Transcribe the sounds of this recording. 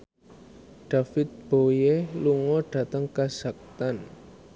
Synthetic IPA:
ɖ̥a̤fɪt̪̚b̥ojeluŋɔɖ̥a̤t̪əŋkḁz̥a̤k̚t̪an

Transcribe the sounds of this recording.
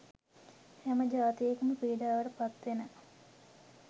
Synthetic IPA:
hæməd͡ʒaːt̪ijekəməpiːɖaːʋəɾəpat̪ʋenə

